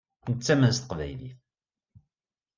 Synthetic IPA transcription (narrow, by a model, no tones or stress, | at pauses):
nət͡sːæmæst̪ə̥qvæ̰jlḭθ